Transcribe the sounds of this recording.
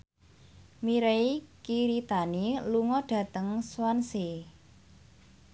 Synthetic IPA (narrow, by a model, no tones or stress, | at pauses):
miɾeikiɾit̪aniluŋɔɖ̥ä̤t̪əŋswansi